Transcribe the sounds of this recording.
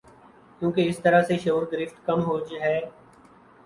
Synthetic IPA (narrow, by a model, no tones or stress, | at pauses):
kjũːkeɪst̪əɾaseʃoːɾɡɾɪfʈkəmɦoːd͡ʒɦɛː